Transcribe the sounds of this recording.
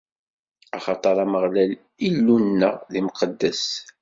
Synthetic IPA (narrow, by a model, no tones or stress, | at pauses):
ɑχɑt̪ˤɑɾˤæməʁlæl | ilːunːə̰ʁlimqəd̪ːæs